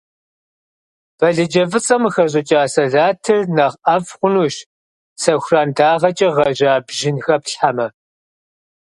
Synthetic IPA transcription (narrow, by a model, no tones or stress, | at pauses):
b̥ɐɮɨd͡ʒɐvɨt͡sʼɐmxɐʑ̬ʼɪt͡ʃʼaːsɐɮaːtʰɨrnɐʁʔɐfχʷʊnuːʃ | sɐxʷraːndaːʁɐt͡ʃʼɐʁɐʑaːbʒɪnxɐpɬħamɐ